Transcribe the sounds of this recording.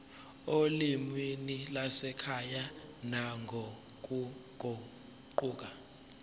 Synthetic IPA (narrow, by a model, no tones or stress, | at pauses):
olimwinilasɛkʰajanaŋʱo | k̬ʼuɡ̥ʱo | ǃuːk̬a